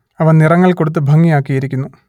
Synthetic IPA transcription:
ɐʋɐnnirɐŋːɐɭko̞ɽut̪̬ːɨbʱɐŋːijaːkːijɐɾikʲːunːu

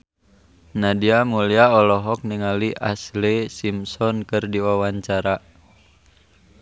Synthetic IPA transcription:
nadiamuliaɔlɔɦɔk̚niŋaliʔa̰slisimsɔnkɨrdiwawaɲt͡ʃaɾa

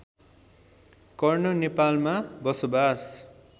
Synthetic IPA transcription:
kʌrnʌnepalmabʌsobas

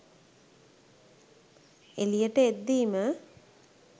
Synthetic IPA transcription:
elijəʈəed̪ːiːmə

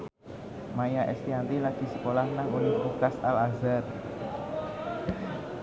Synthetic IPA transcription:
majaʔɛ̰st̪iant̪ilaɡ̥i̤sə̥kolahnaŋunɪɾukasalazat̪̚

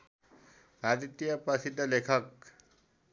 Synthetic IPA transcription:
pad̪it̪ːijʌpʌsid̪ʱʌlekʰʌk̚

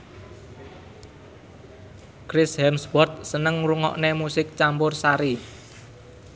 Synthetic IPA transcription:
kɾɪshɛmswɔrt̪̚sənəŋɾuŋɔ̰ʔnemusɪk̚t͡ʃampʊrsaɾi

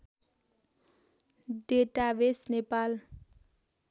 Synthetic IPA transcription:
ɖeʈabesnepal

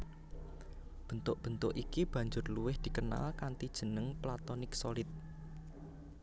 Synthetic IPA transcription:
b̥ə̤nt̪ʊʔb̥ə̤nt̪ʊʔikib̥ä̤ɲd͡ʒʊrluwɪhd̪̥i̤kəna̰lkant̪id̥ʒ̥ə̤nəŋplat̪ɔnɪksɔlɪt̪̚

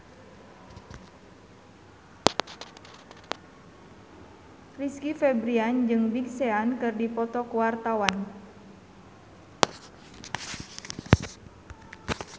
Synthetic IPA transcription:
riskifɛbɾiand͡ʒɨŋbiksɛankɨrdipɔt̪ɔkuwart̪awan

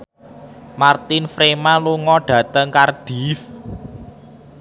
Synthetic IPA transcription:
mart̪ɪnfɾemaluŋɔɖ̥ä̤t̪əŋkard̪̥i̤f

